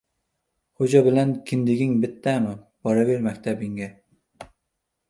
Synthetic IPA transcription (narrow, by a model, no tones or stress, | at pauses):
hod͡ʒabɪlankʲʰɪnd̪ɪɡʲɪŋbɪt̪ʰːamɪb̥ɒɾaveɾmakʲt̪ʰabɪŋɡʲa